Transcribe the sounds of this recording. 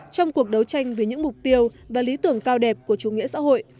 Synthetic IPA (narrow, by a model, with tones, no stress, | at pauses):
t͡ɕɔ˧wŋ͡mku˨˩ək̚ɗə˨˦wt͡ɕa˧jŋ̟və˨˦jɲɨ̰˧˥ŋmʊ˨˩k͡p̚t̪i˧əw | vaː˨˩li˨˦t̪ɨ˧˩əŋkaː˧wɗɛ˨˩p̚ku˧˩ət͡ɕu˨˧˩ŋḭ˧˥sa̰ː˧˥ɦo̰˧˨j